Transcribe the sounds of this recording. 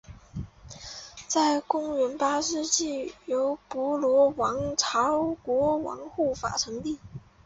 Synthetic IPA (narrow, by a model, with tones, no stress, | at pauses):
t͡sa˥˩ɪkʊ˥ŋɥə˧˥npa˥ʂɻ̩˥˧t͡ɕi˥˩jo˧˥ʊpwɔ˧˥lwɔ˧˥wɑ˧˥ŋʈ͡ʂʰɑ˧˥ʊkwɔ˧˥wɑ̰˧˥ŋxu˥˩fa̰˨˩ʈ͡ʂʰɤ˧˥ŋt̪i˥˩